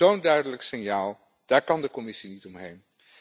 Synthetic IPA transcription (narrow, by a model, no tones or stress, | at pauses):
owndœɥdələksɪnjaːlˠ | d̥aːɹkɑndəkɔmɪsinitɔmɦejn